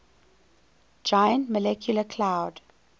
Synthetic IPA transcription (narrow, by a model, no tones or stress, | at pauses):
d͡ʒajə̃ntməlɛkʰjuləkʰlaʊd